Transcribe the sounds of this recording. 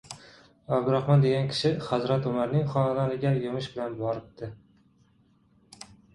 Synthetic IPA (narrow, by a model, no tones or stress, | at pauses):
abd̪ʊɾaχmɒnd̪eɡʲankʲʰɪ̥ʃɪhazɾat̪ʊmaɾnɪŋχɒnalaɾɪɡʲajomɪʃbɪlanbɒɾɪp̚d̪ɪ